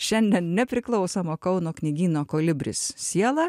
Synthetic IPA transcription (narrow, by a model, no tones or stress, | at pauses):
ʃʲɛnʲd̪ʲɛnnʲɛpʲɾʲɪklˠɒʊsoːmoːkɒʊnoːknʲɪɡʲiːnoːkoːlʲɪbʲɾʲɪ̰ssʲiɛlˠɑ